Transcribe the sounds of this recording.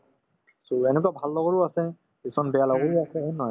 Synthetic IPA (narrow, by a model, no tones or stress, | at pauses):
soɛnɛk̬uabʱalːɔɣɔɹuasɛ | kisɔnbɛjalɔɡɔɹuasɛenɔj